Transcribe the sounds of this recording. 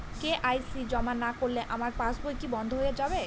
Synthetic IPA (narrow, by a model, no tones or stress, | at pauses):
keʔajsid͡ʑɔmanakoɾleʔamaɾpãsbojkibɔnd̪ʱoɦojed͡ʑabe